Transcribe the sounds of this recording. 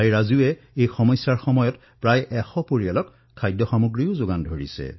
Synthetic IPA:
ajɹazuɛ | ejxɔmɔjsaɹxɔmɔjɔt | pɹajʔɛxɔpoɹialɔk | kʰːajdɔxamuɡɹijʊzoɡandʱoɹḭsɛ̰

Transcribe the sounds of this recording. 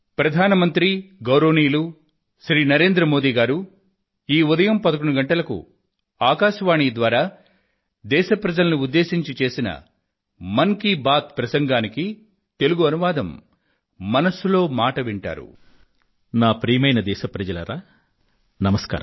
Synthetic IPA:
pɾɐd̪ʱaːnɐmɐnt̪ɾiɡɐwɾoːniːlu | ʃɾiːnɐɾe̞ːnd̪ɾɐmo̞ːd̪iːɡaːɾu | iːud̪ɐjɐmpɐd̪ɐkoɳuɡɐɳʈɐlɐkṵ | aːkaːʃɐʋaːɳiːd̪ʋaːɾaː | d̪ɛːʃɐpɾɐd͡ʒɐlɐnuud̪ːe̞ːsiɲt͡ʃit͡ʃe̞ːsinɐ̰ | mɐŋkibaːt̪̚pɾɐsɐŋɡaːniki | t̪e̞luɡuɐnuʋaːd̪ɐmː | ɐnɐsulo̞ːmaːʈɐʋiɳʈa̰ːɾṵ | naːpɾiːmɐjnɐd̪ɛːʃɐpɾɐd͡ʒɐlɐ̰ɾaː | nɐmɐska̰ːɾɐm

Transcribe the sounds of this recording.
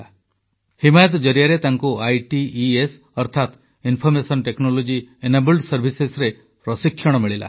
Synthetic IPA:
a | himajɔt̪̬ɔd͡ʒɔɾijaɾet̪aŋkuajʈiːes | ɔɾt̪ʰat̪ | inpʰɔɾmesɔnʈeknolod͡ʒienabulɖsɔɾbʱisesɾe | pɾɔsikʰːjɔɽ̃ɔmiɭila̰

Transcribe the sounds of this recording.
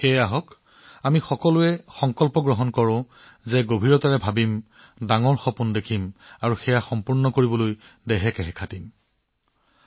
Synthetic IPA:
xɛjaɦɔk | amixɔkɔlʊɛxɔŋkɔlpɔɡɹɔɦɔnkɔɹʊ̃ | zɛɡobʱiɹɔtaɹɛbʱabim | daŋɔɹxɔpundekʰimaɹuxɛjaxɔmpuɹnɔkoɹibɔloj | dɛɦɛkɛɦɛkʰatim

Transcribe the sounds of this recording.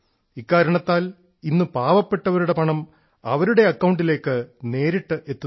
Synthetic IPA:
ikːaːɾɐɳɐt̪ːaːl | inːɨpaːʋɐpːe̞ʈːɐʋɐɾuɽe̞pɐɳɐm | ɐʋɐɾuɽe̞ɐkːɐwɳɖile̞ːkːɨne̞ːɾiʈːɨʔe̞t̪ːu

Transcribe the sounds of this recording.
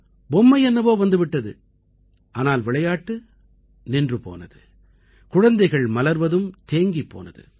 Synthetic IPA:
bɔmːɐɪɛnːɐʋoːʋɐnd̪ɯʋɪʈːɐðɯ̰ | ʔaːnaːlʋɪɭɐjaːʈːɯ | nɪndrɯpo̰ːnɐðɯ | kʊɻɐnd̪ɐɪɣɐɭmɐlɐɾʋɐðɯmt̪eːŋɡipːo̰ːnɐ̰ðɯ̰

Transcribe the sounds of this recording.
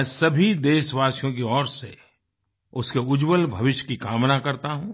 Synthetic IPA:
ɛ̃ːsɐbʱid̪eːʃʋaːsijõk̬iɔːɾsḛ | ʊskeʊd͡ʒwəlbʱɐʋɪʃkikaːmnakɐɾt̪aɦũː

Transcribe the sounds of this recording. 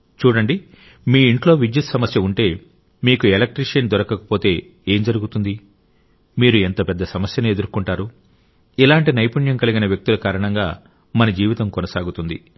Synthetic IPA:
t͡ʃuːɽɐɳɖi | miːɳʈlo̞ːʋid͡ʒit̪sɐmɐsjɐuɳʈe̞ː | miːkuelɐk̚ʈɾiʂɐnd̪ɔɾɐkɐkɐ̥po̞ːt̪e̞ː | e̞ːmd͡ʒɐɾuɡut̪und̪i | miːɾuent̪ɐpɛd̪ːɐsɐmɐsjɐnued̪uɾkuɳʈaːɾu | ilaːɳʈinɐjpuɳjɐmkɐliɡinɐʋjɐk̚t̪ilukaːɾɐɳɐŋɡaː | mɐnɐd͡ʒiːʋit̪ɐmkonɐsaːɡut̪und̪ḭ

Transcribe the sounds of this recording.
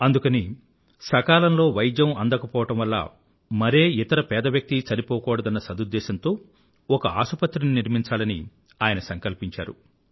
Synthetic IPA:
ɐnd̪ukɐni | sɐkaːlɐmlo̞ːʋɐjd̪jɐmɐnd̪ɐkɐpɔːʋɐʈɐmʋɐlːɐ̰ | mɐɾeːit̪ɐɾɐpɛːd̪ɐʋjɐk̚t̪it͡ʃɐnipɔːkɔːɽɐd̪ɐnːɐsɐd̪ud̪ːɛːʃɐnt̪o̞ː | ɔkɐaːʃupɐt̪ːɾininiɾmiɲt͡ʃaːlɐnḭ | aːjɐnɐsɐŋkɐlpiɲt͡ʃa̰ːɾṵ

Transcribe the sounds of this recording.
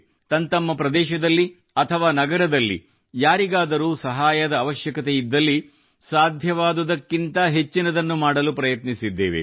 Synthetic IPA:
t̪ɐnt̪ɐmːɐpɾɐd̪ɛːʃɐd̪ɐlːi | ɐt̪ʰɐʋaːnɐɡɐɾɐd̪ɐlːḭ | jaːɾiɡaːd̪ɐɾuːsɐɦaːjɐd̪ɐːʋɐʃjɐkɐt̪eid̪ːɐlːi | saːd̪ʱjɐʋaːd̪ud̪ɐkːint̪ɐɦe̞t͡ʃːinɐd̪ɐnːumaːɽɐlupɾɐjɐt̪nisid̪ːḛːʋe̞̰

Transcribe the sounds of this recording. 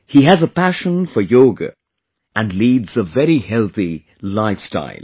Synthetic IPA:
hiɨzəpʰæʃə̃nfə˞jɔɡə̰ | ɨ̃nlidz̥əvɛɹihɛlˠθi | laɪfsta̰ɪlˠ

